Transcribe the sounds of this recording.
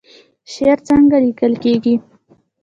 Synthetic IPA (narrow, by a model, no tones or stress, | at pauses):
ʃeɾt͡səŋɡalikəlkeɡi